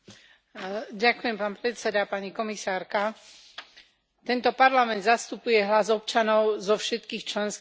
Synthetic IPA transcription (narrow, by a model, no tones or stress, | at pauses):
ɟakujɛmpaːnpɾɛt̪sɛd̪apaɲikɔmisaːɾka | t̪ɛnt̪ɔpaɾlamɛnd̪zast̪upujɛɦlazɔpt͡ʃanɔʊzɔfʃɛt̪kiːxt͡ʃlɛnsk